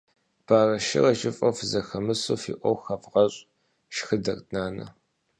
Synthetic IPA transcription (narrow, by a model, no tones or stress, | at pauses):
b̥aːrɐʃɪ̰rɐʒɪfʼɐfzɐxɐmɨsoːfḭːʔʷɔwxɐvʁɐɕʼ | ʃxɨdɐrʼnaːnɐ̰